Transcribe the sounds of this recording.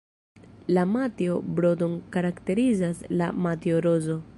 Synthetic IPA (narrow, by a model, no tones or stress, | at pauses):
lamatio̞bɾo̞donkaɾakte̞ɾizasla̰matioɾozo̞